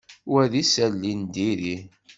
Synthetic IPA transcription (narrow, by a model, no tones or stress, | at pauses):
wæðisælːind̪iɾi